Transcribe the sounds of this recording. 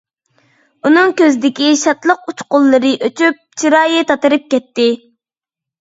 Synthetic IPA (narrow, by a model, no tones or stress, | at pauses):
unɨŋkʲøzɪd̪ɪkʲiʃɑt̪lˠəqut͡ʃqʊlˠːɨɾɨʔøt͡ʃyp̚t͡ʃʰiɾɑːjɨt̪ʰɑt̪ɨɾɨp̚kʲɛt̪ːɪ